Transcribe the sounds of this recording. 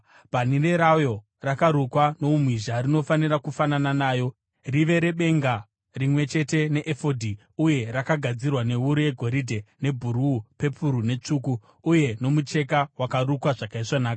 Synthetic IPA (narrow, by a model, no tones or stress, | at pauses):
panireɾajo̞ | rakaɾukwano̞umwiʒarino̞faniɾakufanananaːjo̞ | riʋe̞ɾe̞ɓe̞ŋɡa | rimwe̞t͡ʃe̞te̞ne̞ʔefodʱi | uje̞rakaɡʱad͡zirwane̞uɾuje̞ɡʱo̞ɾidʱe̞ne̞bʱuɾuːpe̞pʰuɾune̞t͡ʂukuː | je̞no̞mut͡ʃe̞kawakaɾukwaʐakaiʂwanaːka